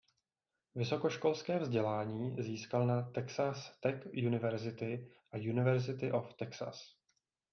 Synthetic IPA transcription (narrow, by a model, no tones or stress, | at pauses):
vɪso̞koʃko̞lskɛːvzɟɛlaːɲiːziːskalnat̪ɛksast̪ɛkjunɪvɛɾzɪt̪ɪ | ʔajunɪvɛɾzɪt̪ɪʔoft̪ɛksa̰s